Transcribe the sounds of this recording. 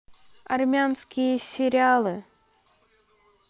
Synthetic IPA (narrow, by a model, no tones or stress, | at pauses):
armʲanskʲijəsʲeɾʲialˠɨ